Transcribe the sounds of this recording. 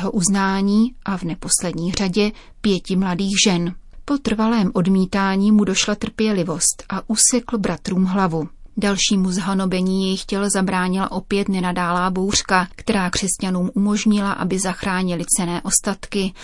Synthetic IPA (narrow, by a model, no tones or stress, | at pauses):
ɦo̞ʔuznaːɲiːʔavnɛpo̞slɛdɲiːr̝aɟɛ | pjɛcɪmladiːɣʒɛnpo̞t̪r̩valɛːmʔo̞dmiːt̪aːɲiːmudo̞ʃlat̪r̩pjɛlɪvo̞st̪ʔaʔusɛkl̩bɾʔat̪ɾuːmɦlavudalʃiːmuzɦano̞bɛɲiːjɛjɪxcɛlzabɾaːɲɪla̰ʔo̞pjɛt̪nɛnadaːlaːbowr̝̥kakt̪ɛɾaːkr̥ɛscanuːmʔumo̞ʒɲɪlaʔa̰bɪzaxɾaːɲɪlɪt͡sɛnɛːʔo̞st̪at̪kɪ